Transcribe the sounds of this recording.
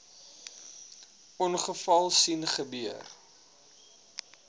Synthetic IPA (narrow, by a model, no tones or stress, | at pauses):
ʔɔnχəfɐlˠsinχəbiər